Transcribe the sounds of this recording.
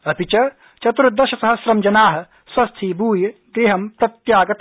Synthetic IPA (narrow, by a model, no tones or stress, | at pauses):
ɐpit͡ʃɐ | t͡ʃɐt̪ɾud̪ɐʃɐsɐɦɐsɾɐmd͡ʒɐnaːɦɐ̆ | swɐst̪ʰiːbuːjɐɡɾeːɦɐmpɾɐt̪jaːɡɐt̪